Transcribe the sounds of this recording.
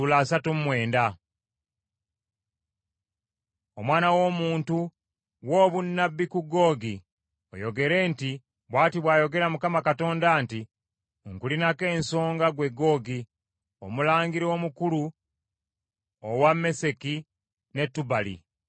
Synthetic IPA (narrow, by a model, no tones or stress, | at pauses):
ulaːsatummwe̞ːnda | omwaːnawo̞ːmuːntu | wo̞ːβunːabːikuɡo̞ːɡi | o̰jo̞ɡe̞ɾe̞ːnti | βwaːtiβwaːjo̞ɡe̞ɾamukamakato̞ːndanti | ŋkulinake̞ːnso̞ːŋɡaɡwe̞ɡo̞ːɡi | o̰mulaːŋɡiɾiomukulu | owamːe̞se̞ki | ne̞tːubalḭ